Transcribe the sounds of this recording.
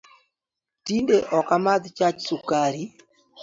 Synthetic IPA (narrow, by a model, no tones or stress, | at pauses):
tindeʔɔkamad̪t͡ʃat͡ʃsukaɾi